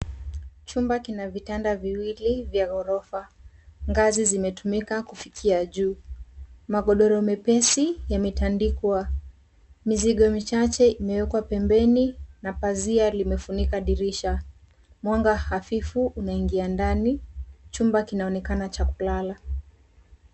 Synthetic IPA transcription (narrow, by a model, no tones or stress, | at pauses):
t͡ʃumbakinavitandaviwilivjaɣɔɾɔfa | ŋɡazizimɛtumikakufikʰiaʄuː | maɠɔɗɔɾɔmɛpɛsijamitandikwa | miziɠɔmit͡ʃat͡ʃɛimɛwɛkwapɛmbɛninapazialimɛfunikaɗiɾiʃa | mwaŋɡahafifuʔunaiŋɡiandanit͡ʃumbakinaɔnɛkanat͡ʃakulala